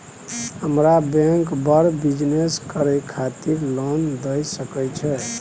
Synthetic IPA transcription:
həmɾabẽŋkbəɾbid͡ʒneskəɾɛjkʰat̪iɾlond̪əjsəkɛjt͡ʃʰɛ

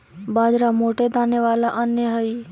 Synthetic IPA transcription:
baːd͡ʒɾamoːʈed̪aːnjeʋaːlaʔənjəɦəi

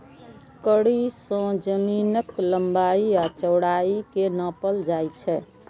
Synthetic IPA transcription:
kəɽisə̃d͡ʒəminəkləmbaiat͡ʃəwɽaikenəpəld͡ʒajt͡ʃʰɛ

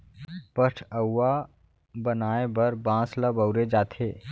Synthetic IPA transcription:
pəʈʰəwːa | bənaːebəɾbãːsləbəʊɾed͡ʒaːt̪ʰeː

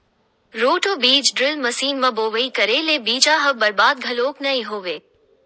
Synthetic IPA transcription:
ɾoːʈoːbiːt͡ʃɖɾɪlmɐsiːnmɐ̃boːʋəikɐɾelebiːt͡ʃaɦɐʋbɐɾbaːd̪̚ɡʱɐloːknɐĩɦoːʋeː

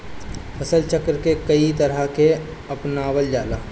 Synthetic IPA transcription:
pʰəsəlt͡ʃəkɾkekəit̪əɾake | ɐpnaːwəld͡ʒaːla̰ː

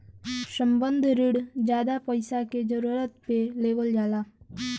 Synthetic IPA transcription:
sə̃mbə̃nd̪ʱɾɪɽd͡ʒjaːd̪apəɪsaked͡ʒəɾuːɾət̪peleːʋəld͡ʒaːlaː

